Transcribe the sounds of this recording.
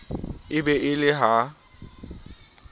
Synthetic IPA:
ɪbɛʔɪlɪɦa

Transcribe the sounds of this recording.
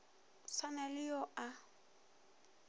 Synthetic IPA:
sanalɪjɔa

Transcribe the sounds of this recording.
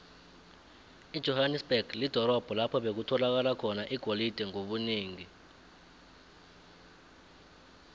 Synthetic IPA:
id̥ʒ̥ʱɔhanɛsb̥ʱɛɡ̥lid̥ʱɔɾɔb̥ʱɔlapʰɔɓek̬utʰɔlak̬alakʰɔnaʔiɡ̥ʱolid̥ʱɛŋoɓuniːŋi

